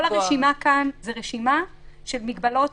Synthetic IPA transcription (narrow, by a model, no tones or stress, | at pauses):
olaʁeʃimakanzeʁeʃimaʃelmiɡbalo̞t